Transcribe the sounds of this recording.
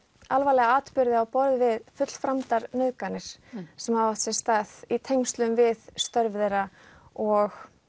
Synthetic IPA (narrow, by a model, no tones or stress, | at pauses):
alvalɛɣaaːt̪pʏɾðɪawpɔɾðɪvɪðfʏt̪l̥fɾamt̪aɾnʏðkanɪɾ̥sɛmhaðvaft̪sɛst̪aθit̪ʰejŋst̪lʏmvɪðst̪œɾvðejɾa | ɔɣ